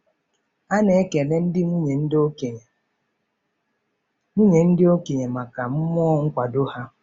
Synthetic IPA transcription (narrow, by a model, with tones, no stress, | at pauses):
a˦ne˨e˦ke˨ne˦n̩˦dɪ˦mu˦ɲe˨n̩˦dɪ˦o˦ke˨ɲe˨ | mu˦ɲe˨n̩˦dɪ˦o˦ke˨ɲe˨ma˨ka˨m̩˦m˦ɔ˦ŋ̩˦kʷa˨do˦ha˦